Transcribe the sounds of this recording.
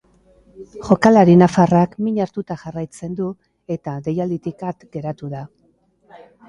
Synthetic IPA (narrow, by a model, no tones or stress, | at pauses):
ʝo̞kalaɾinafarakmiɲaɾt̪ut̪axarajt͡se̞nd̪u | e̞t̪aðe̞jald̪it̪ikat̪ɡe̞ɾat̪uða